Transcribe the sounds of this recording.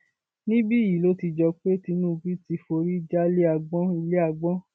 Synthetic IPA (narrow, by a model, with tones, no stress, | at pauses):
nĩ˦bi˦˨ji˨lo˦ti˧d͡ʒɔ˧k͡pe˦ti˧nũː˦˨˧bi˦ti˧fo˧ɾi˦d͡ʒa˦le˦a˧ɡ͡bɔ̃˦i˧le˦a˧ɡ͡bɔ̃˦